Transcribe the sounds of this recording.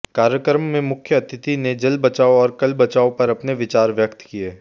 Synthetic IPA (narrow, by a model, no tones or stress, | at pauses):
kaːɾjəkɾmːẽmʊkʰjəɐt̪ʰɪt̪ined͡ʒɐlbɐt͡ʃaːoɔːɾkɐlbɐt͡ʃaːopɐɾɐpneʋɪt͡ʃaːɾʋjəkt̪kieː